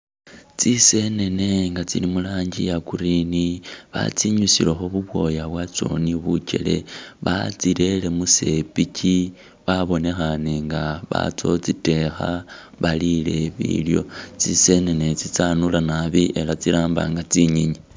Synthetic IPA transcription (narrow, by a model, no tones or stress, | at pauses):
t͡sise̞ne̞ne̞ŋɡat͡silimulaːɲɟijakuɾiniβa̰t͡siɲusilexoβuβwo̞jaβwat͡so̞̰niβuce̞̰le̞̰βa̰t͡siɾe̞le̞muse̞pici | βaβo̞ne̞xane̞ŋɡaβa̰t͡so̞t͡site̞xa | βalile̞βḭljo̞̰t͡sise̞ne̞ne̞t͡sit͡sanulanaβiʔe̞lat͡siɾaːmba̰ŋɡat͡siɲiɲi